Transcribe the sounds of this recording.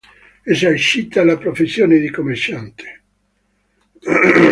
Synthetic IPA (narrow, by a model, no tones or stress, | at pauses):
ezaɾʃit̪ːalapɾofesːjoːned̪ikomːert͡ʃːant̪ʰe̥